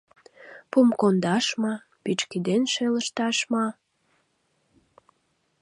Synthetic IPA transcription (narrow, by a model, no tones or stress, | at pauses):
pumkond̪ɑʃmɑ | pit͡ɕkid̪enʃeləʃt̪ɑʃmɑ